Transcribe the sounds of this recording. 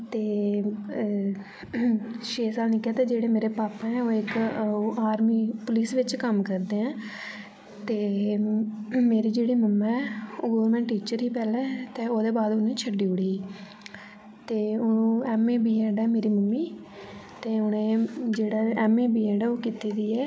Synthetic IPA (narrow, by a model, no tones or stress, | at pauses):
t̪eː | ʃeːsaːbnẽːkaːt̪eːd͡ʒeːɽeːmeːɾeːpaːpãɛːoːɪkaːɾmiːpʊliːsʋɪt͡ʃkəmkəɾd̪eːɛ̃ː | t̪eː | meːɾiːd͡ʒeːɽiːməmːɛ̃ːɛoːɡoːɾmɛ̃ːʈːiːt͡ʃəɾiːpɛːlɛːt̪eːoːd̪eːbaːd̪ʊnẽːt͡ʃʰəɖiːʊɽiː | t̪eːʊnũːɛːmeːbiːɛːɖɛːmeːɾiːməmːiː | t̪eːʊnẽːd͡ʒeːɽaːɛːmeːbiːɛ̃ːɖɛːoːkiːt̪iːd̪iːɛː